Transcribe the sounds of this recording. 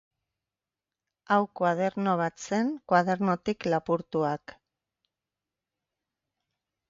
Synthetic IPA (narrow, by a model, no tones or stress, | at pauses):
awkwað̞e̞ɾno̞β̞at͡se̞ŋkwaðe̞ɾno̞t̪iklapuɾt̪uak